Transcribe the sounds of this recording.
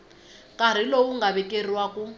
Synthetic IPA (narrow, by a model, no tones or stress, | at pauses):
kʼaɾ̤ilouŋɡaβɛkʼer̤iwakʼu